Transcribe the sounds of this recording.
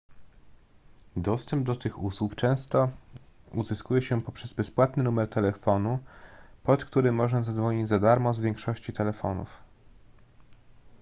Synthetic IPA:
d̪ɔst̪ɛmb̚d̪ɔt̪ɘxuswupt͡ʂɛ̃w̃st̪ɔ | uzɘskujɛɕɛpɔpʂɛzbɛspwat̪nɘnumɛɾt̪ɛlɛfɔnupɔt̪kt̪uɾɘmːɔʐnazad̪zvɔɲid͡ʑzad̪aɾmɔzvʲjɛŋkʂɔɕt͡ɕit̪ɛlɛfɔnṵf

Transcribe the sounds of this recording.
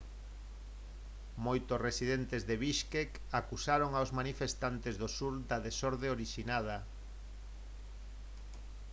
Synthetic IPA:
mojt̪osresiðent̪ezðeβiʃkek | akusaɾoŋawzmanifest̪ant̪ezðosuɾd̪aðesoɾðeoɾiʃinað̞a

